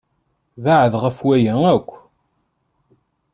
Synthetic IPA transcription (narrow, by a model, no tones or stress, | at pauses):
vaʕəðʁəfwæjæækʷː